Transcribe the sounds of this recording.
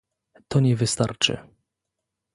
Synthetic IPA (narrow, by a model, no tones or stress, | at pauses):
t̪ɔɲɛvɘst̪aɾt͡ʂɘ̰